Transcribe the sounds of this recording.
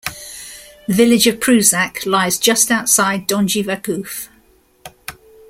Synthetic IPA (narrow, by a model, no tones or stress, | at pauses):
ðəvɪlɪd͡ʒəv̥pʰɹ̥ʉːzakʰlaɪzd͡ʒʌstaʊtsaɪdɒ̃nd͡ʒivakʰʉˑf